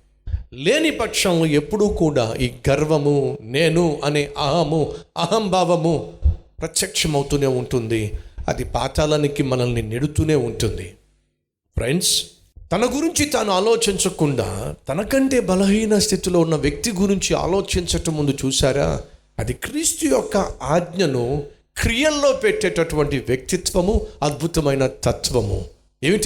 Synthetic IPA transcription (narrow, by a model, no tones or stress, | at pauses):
le̞ːnipɐkʂɐmloe̞pːuɽukuːɽa̰ːʔiːɡɐɾʋɐmune̞ːnuɐneːʔɐɦɐmuɐɦɐmbʱaːʋɐmu | pɾɐt̪jɐkʂɐmɐwut̪uːne̞ːuɳʈund̪iɐ̰d̪ipa̰ːt̪aːlɐnikimɐnɐnːineɽut̪uːne̞ːuɳʈund̪i | pʰɾe̞ɳɖs | t̪ɐnɐɡuɾiɲt͡ʃit̪aːnuaːlo̞ːt͡ʃiɲt͡ʃɐkuɳɖa̰ːt̪ɐnɐkɐɳʈe̞ːbɐlɐɦiːnɐst̪ʰit̪iloːunːɐʋjɐk̚t̪iɡuɾiɲt͡ʃia̰ːlo̞ːt͡ʃiɲt͡ʃɐʈɐmːund̪ut͡ʃuːsaːɾa̰ː | ɐd̪ikɾiːst̪ujɔkːɐaːd̪ɲɐnu | kɾijɐlːo̞ːpeʈːɛːʈɐʈuʋɐɳʈiʋjɐk̚t̪it̪ʋɐmuɐd̪̚bʱut̪ɐmɐjnɐt̪ɐt̪ʋɐmṵ | e̞ːʋiʈ